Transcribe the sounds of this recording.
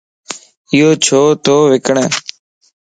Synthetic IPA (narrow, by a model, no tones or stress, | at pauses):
ɪjoːt͡ʃʰoːt̪oːʋɪkəɳeː